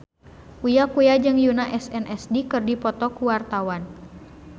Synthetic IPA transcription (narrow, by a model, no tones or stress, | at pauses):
ujakujad͡ʒɨŋjunaʔɛsɛnʔɛsdikɨrdipɔt̪ɔkuwart̪awan